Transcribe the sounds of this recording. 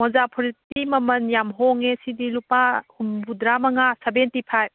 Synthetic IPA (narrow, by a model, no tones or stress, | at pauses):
mɔzapʰɔɾitimɐmɐnjamɦoŋesidilupahumbudɾamɐŋasebentipʰajb